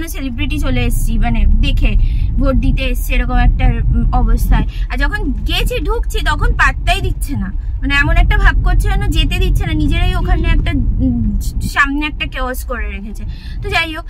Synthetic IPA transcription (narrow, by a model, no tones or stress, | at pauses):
noselibɾiʈit͡ɕoleeʃt͡ɕʰimaned̪ekʰebʱoʈ̚d̪it̪eeʃt͡ɕʰeeɾɔkomɛk̚ʈaɔbost̪ʰaeaɾd͡ʑɔkʰonɡet͡ɕʰeɖʱukt͡ɕʰit̪ɔkʰonpaʈt̪ːajd̪it̪ːɕʰenamaneɛmonɛk̚ʈabʱab̚koɾt͡ɕʰeonod͡ʑet̪ed̪it̪ːɕʰenanid͡ʑeɾajokʰaneɛk̚ʈa | ʃamneɛk̚ʈakeoskoɾeɾekʰet͡ɕʰe | t̪od͡ʑajo